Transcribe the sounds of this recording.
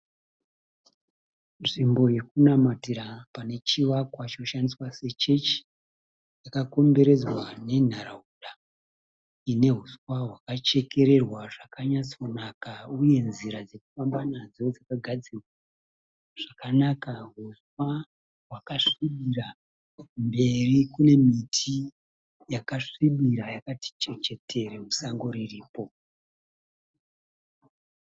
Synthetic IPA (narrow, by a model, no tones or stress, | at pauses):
nʐimbo̞je̞kunamatiɾapane̞t͡ʃiʋakwat͡ʃinoʃandiswase̞t͡ʃe̞t͡ʃi̥ | jakako̞mbe̞ɾe̞d͡zwane̞n̤aɾauɗa | ine̞ɦuswaɦwakat͡ʃe̞ke̞ɾe̞rwaʐakʰaɲat͡sonakauje̞nziɾad͡ze̞ku̥fambanad͡zo̞d͡zakaɡʱad͡zirwa | ʐ̥akanakaɦuswa | wakaʂiɓiɾa | mbe̞rikune̞mitʰi | jakaʂiɓiɾajakati̥t͡ʃet͡ʃe̞tʰe̞ɾemusaŋɡo̞ɾiriːpo̞